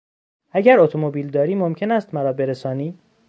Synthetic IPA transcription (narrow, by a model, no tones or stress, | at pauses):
æɟæɾot̪ʰomobiːld̪ɒːɾiːmo̞mcʰe̞næːst̪mæɾɒːbe̞ɾesɒːniː